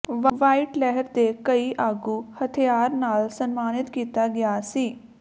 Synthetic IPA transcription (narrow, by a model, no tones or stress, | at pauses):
ʋʋaːiːʈlɛɦəɾd̪eːkəiːʔaːɡuːhət̪ʰɪjaːɾnaːlsənmaːnɪt̪kiːt̪aːɡɪaːsiː